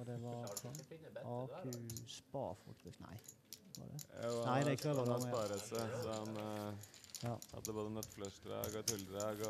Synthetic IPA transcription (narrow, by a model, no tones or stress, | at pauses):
ɔd̪ɛʋɑɾ | ɑːkʰʉspɑ̰ːfɔ̰kt̪ʰənæ̰ɪ | ʋɑ̰d̪ɛ̰næɪd̪ɛɪkːəɛd̪ɑːɾəsəɑn | jɑːhɑ̰d̪ːəboːd̪ənɛt̪ːflœsd̪ɾɑ̰ːɡɔt̪ʰɪld̪ɾɑːɡɔ